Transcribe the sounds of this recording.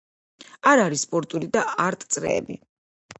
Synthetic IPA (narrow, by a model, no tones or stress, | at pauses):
aɾaɾisːpʼɔɾt̪ʼulid̪aaɾt̪ʼt̪sʼɾɛ̰ːbḭ